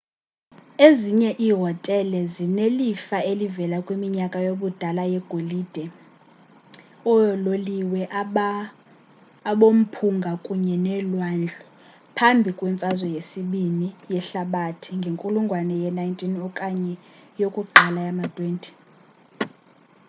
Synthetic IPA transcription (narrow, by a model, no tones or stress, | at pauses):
eziɲɛʔiːɦɔtʼɛlɛzinelifaelivɛlakʼwimiɲakʼajoɓud̥ʱalajɛɡ̥ʱolid̥ʱɛ | ɔjɔloliwɛʔ | ɓom̩pʰuŋɡʱakʼuɲɛnɛlwand͡ɮʱɔ | pʰambʱikʼwɛɱfʼazwɛjesiɓinijɛɬaɓatʰiŋɡʱeŋkʼuluŋɡʱwanɛjɛnajntʼinɔkʼaɲɛjokʼuɡ͡ǃʱalajamatʰʼwɛntʼi̥